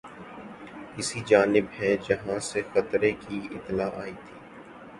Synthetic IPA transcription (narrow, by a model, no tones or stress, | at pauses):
kɪsid͡ʒaːnɪbɦɛd͡ʒɐɦãsexɐt̪ɾekiɪ̰t̪ːlaːʔaːiːt̪ʰiː